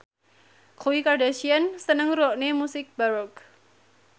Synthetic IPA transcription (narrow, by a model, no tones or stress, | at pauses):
kʰuwikardaʃiansənəŋɾuɔʔnemusɪk̚baɾɔk